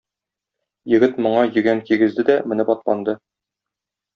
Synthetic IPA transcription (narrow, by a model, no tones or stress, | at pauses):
jɘ̆ɡɘt̪mŏɴɑjɘ̆ɡæŋkiɡɘ̆zd̪ɘd̪æmɘ̆nɘbɒt̪pˠɑnd̪ɤ